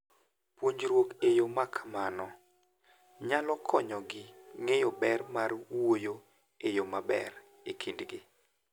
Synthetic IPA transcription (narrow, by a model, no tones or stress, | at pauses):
pwoɲɾwokejomakʰamanɔ | ɲalɔkʰɔɲɔɡɪŋejobɛrmarwwojo | ejomabɛ̰r | ekʰindɡɪ